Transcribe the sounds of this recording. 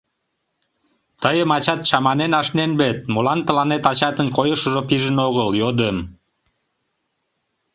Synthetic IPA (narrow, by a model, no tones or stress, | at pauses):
t̪əjəmɑt͡ɕɑt̪̚t͡ɕɑmɑnenɑʃnenbet̪̚molɑnt̪ə̆lɑnet̪ɑt͡ɕɑt̪ənkojəʃəʒopiʒənoɣəljod̪em